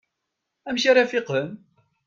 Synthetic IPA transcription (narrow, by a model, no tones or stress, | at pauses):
æmʃaɾæfɪqəm